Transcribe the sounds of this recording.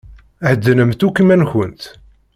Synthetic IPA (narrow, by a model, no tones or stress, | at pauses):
həd̪ːənəmt̪ukimænçənt̪